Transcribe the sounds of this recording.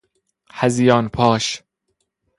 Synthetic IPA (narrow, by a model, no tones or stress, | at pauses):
hæzjɒːnpʰɒːʃ